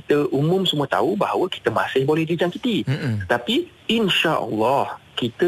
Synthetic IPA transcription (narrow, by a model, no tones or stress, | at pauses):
it̪əʔumʊ̃msəmuat̪a̰ubaɦawəki̥t̪əma̰sɪhbolɛhdid͡ʒaŋkit̪it̪ət̪api | inʃaʔə̰lːɔhkit̪ə